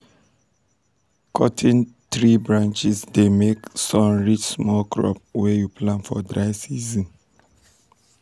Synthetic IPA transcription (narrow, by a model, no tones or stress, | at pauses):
kʰɔtʰĩntɹibɹãnt͡ʃisdemeksɔ̃mɹit͡ʃsmɔlkʰɹɔ̰pwɛjupʰlãnfɔdɹaɪsizɔ̃n